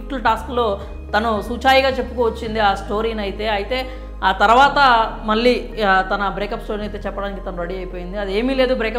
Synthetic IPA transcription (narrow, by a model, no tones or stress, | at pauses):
ʈːɐlʈaːsklo̞ː | t̪ɐnusuːt͡ʃaːjiɡaːt͡ʃe̞pːukoːʋɐt͡ʃːind̪iaːsʈo̞ːɾiːnɐjit̪e̞ːɐjit̪e̞ː | aːt̪ɐɾuʋaːt̪ɐmɐɭːiːt̪ɐnɐbɾeːkɐpsʈo̞ːɾiːnɐjt̪e̞ːt͡ʃɛpːɐɽaːnikit̪ɐnuɾɐɽiɐjpo̞ːjind̪iɐd̪ieːmiːle̞ːd̪ubɾeːkɐ